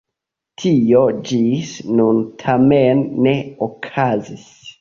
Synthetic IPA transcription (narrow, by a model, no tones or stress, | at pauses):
tʰiod͡ʒisnuntʰamenːe̞okʰazis